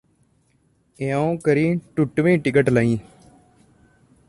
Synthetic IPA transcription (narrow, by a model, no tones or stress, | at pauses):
ẽõːkəɾiːʈʊʈʋĩːʈɪk̬əʈlaːĩː